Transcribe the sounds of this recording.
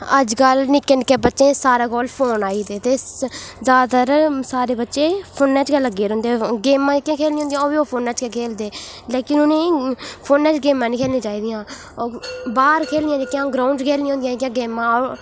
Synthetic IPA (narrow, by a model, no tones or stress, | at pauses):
əd͡ʒkəlnɪkːenkːeːbətːʃẽːsaːɾaːkoːlpʰoːnaːiːt̪eːt̪eːzaːt̪əɾsaːɾeːbətːʃẽːpʰoːnːɛ̃ːt͡ʃkələɡːeːɾʊ̃nd̪eːɡeːmãːkẽːkʰeːlniːõːd̪ijãːbiːoːpʰoːnːãːt͡ʃkɛkʰeːld̪eː | leːkɪnʊnẽːpʰoːnɛ̃ːt͡ʃɡeːmãːnĩːkʰeːlnĩːt͡ʃaːiːd̪ijãː | baːɾkʰeːld̪ɪjãːd͡ʒeːkjãːɡɾaːʊɳɖkʰeːlnĩõːnd̪jãːãːɡeːmãːɔːɾ